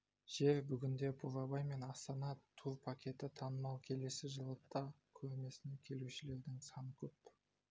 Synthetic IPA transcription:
ʒ̥e̞ɾbʏɡʲɪnd̪e̞bʰuɾɑbɑjme̞nɑst̪ɑnɑt̪ʰuɾpʰakʲe̞t̪ɪt̪ʰɑnəmɑwkʲʰe̞le̞sɪʒəlˠəqt̪ɑ | kʲʰɵɾme̞sɪne̞kʲʰe̞luʃɪle̞ɾd̪ɪŋsɑnəkʲʰɵp

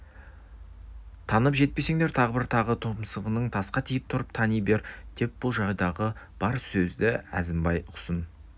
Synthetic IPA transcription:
t̪ʰɑnəpʒe̞t̪̚pe̞se̞ŋd̪e̞ɾt̪ʰɑʁəbɪɾt̪ʰɑʁət̪ʰopəmsəʁənəɴt̪ʰɑsqɑt̪ʰijɪp̚t̪ʰʊɾəp̚t̪ʰɑnijbe̞ɾd̪̥e̞p̚b̥ʊlˠʒɑʁjd̪ɑʁəb̥ɑɾsɵzd̪ɪæ̰zɪmbɑjʰʊ̥sən

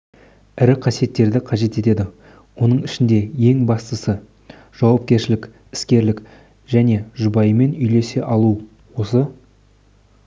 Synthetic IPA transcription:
ɪɾɪqʰɑsije̞t̪ːe̞ɾd̪ɪqʰɑʒe̞t̪e̞t̪e̞d̪ɪ | wo̞nəɴɪʃɪnd̪e̞je̞ŋbɑst̪əsə | ʒ̥ɑwɑp̚kʲe̞ɾʃɪlɪkʲ | ɪ̥skʲe̞ɾlɪk | ʒæne̞ʒʊbɑjəme̞nʏjle̞se̞ʔɑlˠu | wo̞sə

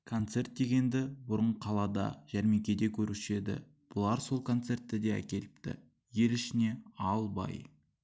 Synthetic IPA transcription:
kʰo̞nt̪se̞rt̪̚d̪e̞ɡʲe̞nd̪ɪbʊɾəɴqʰɑlˠɑd̪ɑ̰ʒ̥æɾme̞kʲe̞d̪e̞kʲʰɵɾuʃe̞d̪ɪ̰ | b̥ʊlˠɑɾso̞lˠkʰo̞nt̪se̞rt̪ːɪd̪e̞æ̰kʲe̞lɪpt̪ɪ̰ | je̞lɪʃɪne̞ɑlˠbɑ̰j

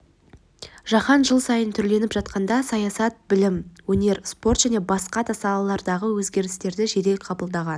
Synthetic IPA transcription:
ʒ̥ɑχɑnʒəlˠsɑjənt̪ʰʏɾle̞nɪpʒɑt̪̚qɑnd̪ɑsɑjɑsɑt̪̚bɪlɪmwɵne̞ɾspo̞rt̪ʒ̥æne̞bɑsqɑd̪ɑsɑlˠɑlˠɑɾd̪ɑʁəwɵzɡʲe̞ɾɪst̪e̞ɾd̪ɪʒeɾe̞qʰɑbəlˠd̪ɑʁɑn

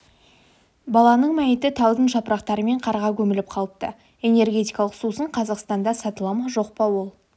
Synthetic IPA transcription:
bɑlˠɑnəɴmæjɪt̪ɪt̪ʰɑwˠd̪ənʒɑpəɾɑqt̪ɑɾəme̞ɴqʰɑɾʁɑkʲʰɵmɪlɪp̚qʰɑlˠəp̚t̪ə | e̞ne̞rɡʲe̞t̪ijkɑlˠəqsusəɴqʰɑzɑqst̪ɑnd̪ɑsɑt̪əlˠɑmɑʒo̞q̚pɑwo̞lˠ

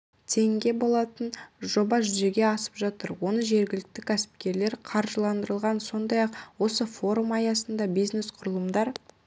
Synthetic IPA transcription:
t̪ʰe̞ŋɡʲe̞bo̞lˠɑt̪ənʒo̞bɑʒʏze̞ɡʲe̞ɑsə̥pʒɑt̪əɾwo̞nəʒe̞ɾɡʲɪlɪk̚t̪ɪkʲʰæsɪ̥p̚kʲe̞ɾle̞ɾqʰɑɾʒəlˠɑnd̪əɾəlˠʁɑnso̞nd̪ɑjɑqwo̞səfo̞ɾumɑjɑsənd̪ɑbijzne̞sqʰʊɾəlˠəmd̪ɑɾ

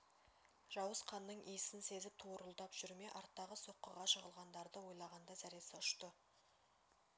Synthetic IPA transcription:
ʒ̥ɑwəsqʰɑnːəɴʔijsɪnse̞zɪt̪ʰuɾəlˠd̪ɑpʒ̥ʏɾme̞ʔɑɾt̪ːɑʁəso̞qːəʁɑʃəʁəlˠʁɑnd̪ɑɾd̪əwo̞jlˠɑʁɑnd̪ɑzæɾesɪʊʃt̪ə

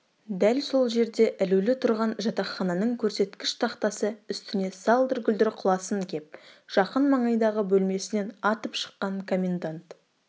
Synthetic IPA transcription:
d̪ælso̞lˠʒe̞ɾd̪e̞ʔɪlʉwlɪt̪ʰʊɾʁɑnʒɑt̪ɑχɑnɑnəɴkʲʰɵɾse̞t̪kʲɪʃt̪ʰɑqt̪ɑsəʏst̪ɪne̞sɑlˠd̪ʏɾɡʲʏld̪ɪɾqʰʊlˠɑsəŋkʲʰe̞p̚ʒ̥ɑqənmɑɴɑjd̪ɑʁəbɵlme̞sɪne̞nɑt̪əpʃə̥qːɑɴkʰo̞mʲe̞nd̪ant̪

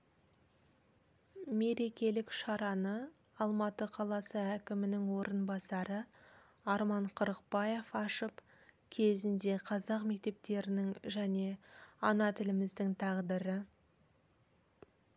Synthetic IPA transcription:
me̞ɾe̞kʲe̞lɪkʃɑɾɑnə | ɑlˠmɑt̪əqʰɑlˠɑsəækʲɪmɪnɪŋwo̞ɾʔənbɑsɑɾə | ɑɾmɑɴqʰʊɾəq̚bɑje̞fɑʃəp | kʲʰe̞zɪnd̪e̞qʰɑzɑqmek̚t̪e̞p̚t̪e̞ɾɪnɪŋʒæne̞ɑnɑt̪ʰɪlɪmɪzd̪ɪŋt̪ʰɑʁd̪əɾə

